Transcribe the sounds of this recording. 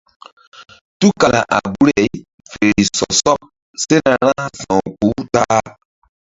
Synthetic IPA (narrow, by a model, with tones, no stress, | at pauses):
tu˦ka˨la˨ʔa̰˨bu˦ɾɛ˨i˦ | fe˨ɾi˨sɔ˨sɔ˦p̚ | se˦na˨ɾã˦sã˨k͡pu˨˦ta˦